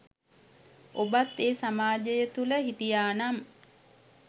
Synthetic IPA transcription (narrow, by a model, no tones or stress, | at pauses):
ʔobat̪ːeːsamaːd͡ʒəjət̪uləɦit̪ijaːnam